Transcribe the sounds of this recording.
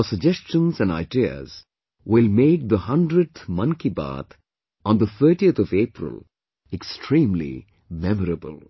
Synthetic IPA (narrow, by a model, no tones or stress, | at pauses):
əsəɡ̚d͡ʒɛst͡ʃə̃nzæ̃na̰ɪdiə̰z̥ | wɪlmeːk̚d̪əhʌ̃ndɾəɖ̚t̪mʌ̃nkiba̰ːt̪ | ɔ̃nd̪ət̪ʰəʈiət̪ʰɔveːpɾə̰l | ɛkstʰɹĩːmlḭ | mɛməɾəbə̰lˠ